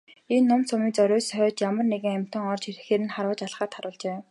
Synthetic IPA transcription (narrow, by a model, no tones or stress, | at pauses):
enːʊmt͡sʰʊmiːt͡sœɾʊːsœːt͡ɕjamə̆rneɣɘ̆ŋæm̥ʲt̪ə̆ŋɔrt͡ɕʰirɘ̆xeːɾɘ̆nχaɾə̆ːt͡ɕaɮχaːt̪χaɾʊːɮt͡ɕeː